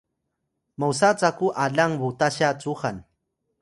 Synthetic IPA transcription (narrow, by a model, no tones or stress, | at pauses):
mawsat͡sakʊʔaʎaŋbʊt̪aʃat͡suχan